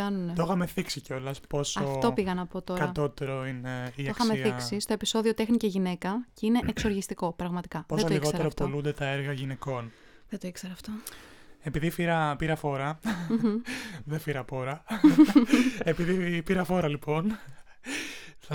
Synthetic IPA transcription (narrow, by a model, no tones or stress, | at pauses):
ɐnunet̪oxɐme̞θiksiceo̞lɐspo̞sɐofo̞piɣɐnɐpo̞t̪o̞kɾɐɐo̞t̪e̞ɾo̞ineioxɐmeθiksist̪o̞episo̞ðio̞t̪e̞xniceʝine̞kɐceine̞ʔekso̞ɾʝist̪iko̞pɾɐɣmɐt̪i̥kɐpo̞ssoloiliɣot̪eɾop̪tolund̪e̞t̪ɐeɾɣɐʝine̞ko̞n | ðet̪oikseɾɐft̪oe̞piðifiɾɐpiɾɐfo̞ɾɐ | ðefiɾɐpo̞ɾɐ | epiðipiɾɐfo̞ɾɐlipo̞n | ɐ